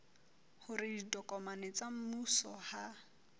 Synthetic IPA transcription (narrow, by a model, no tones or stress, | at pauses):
hʊrɪdidɔkʼɔmanɪt͡sam̩musɔha